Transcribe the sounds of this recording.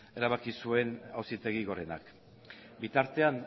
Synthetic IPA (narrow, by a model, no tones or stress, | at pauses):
e̞ɾaβ̞akisue̞nawsit̪e̞ɣ̞iɣo̞ɾe̞na̰k | bit̪aɾt̪e̞an